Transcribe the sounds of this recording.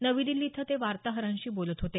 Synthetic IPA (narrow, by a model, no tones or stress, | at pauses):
nəʋid̪ilːiːt̪ʰət̪eʋaɾt̪aɦəɾãɲɕiːbolət̪ɦot̪e